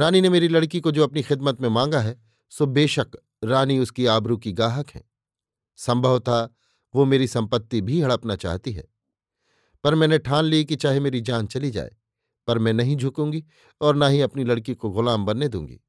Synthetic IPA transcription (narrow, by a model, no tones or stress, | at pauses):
ɾaːninemeːɾilɐɽkikod͡ʒoːɐpnixɪd̪mət̪mẽmãːŋɡaɦɛː | sobeːʃək | ɾaːniʊskiaːbɾukiɡaːɦəkɦɛ̰̃ː | sɐ̃mbʱəʋt̪ʰa | ʋomeːɾisɐ̃mpət̪ːibʱiɦɐɽəpnat͡ʃa̰ːɦt̪iɦɛ̰ː | pɐɾmɛ̃ːneʈʰaːnlikit͡ʃaːɦemeːɾid͡ʒaːnt͡ʃɐlid͡ʒa̰ːḛː | pɐɾmɛ̃ːnɐɦĩd͡ʒʱʊkũːŋɡi | ɔːɾnaɦiɐpnilɐɽkikoɣʊlaːmbɐnːed̪ṵ̃ːŋɡḭː